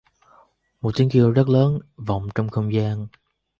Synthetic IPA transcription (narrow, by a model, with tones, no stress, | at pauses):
mo˨˩t̚t͡ɕi˨˦əŋki˧əwzə˦˥t̚ləː˨˦nva̰˧˨wŋ͡mt͡ɕɔ˧wŋ͡mxə˧wŋ͡mzaː˧n